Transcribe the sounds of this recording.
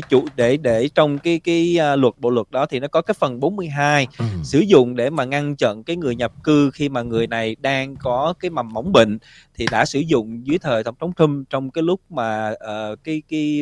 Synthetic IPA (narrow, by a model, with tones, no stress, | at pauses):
t͡ɕṵ˧˨ɗe˧˩ɗe˧˩t͡ɕɔ˧wŋ͡mkaː˨˦jkaː˨˦jlwə˨˩t̚ɓo̰˧˨lwə˨˩t̚ɗɔ˨˦t̪ʰi˨˩nɔ˨˦kɔ˨˦kaː˨˦jfə˨˩nɓo˨˦nmɨ˧əjɦaː˧jsɨ̰˧˩zʊ̰˧˨ŋ͡mɗe˧˩maː˨˩ŋa˧nt͡ɕə̰˧˨nkaː˨˦jŋɨ˨˩əjɲə˨˩p̚kɨ˧xi˧maː˨˩ŋɨ˨˩əjna˨˩jɗaː˧ŋkɔ˨˦kaː˨˦jma˨˩mma˨˦wŋ͡mɓḭ˧˨ŋ̟ | t̪ʰi˨˩ɗa̰ː˧˥sɨ˧˩zʊ̰˧˨ŋ͡mzɨ˨˦əjt̪ʰəː˨˩jt̪ə˧˩wŋ͡mt̪ʰa˨˦ŋ͡mt̪ʰɨ˧mt͡ɕɔ˧wŋ͡mkaː˨˦jlʊ˦˥k͡p̚maː˨˩ʔəː˨˩kaː˨˦jki˨˦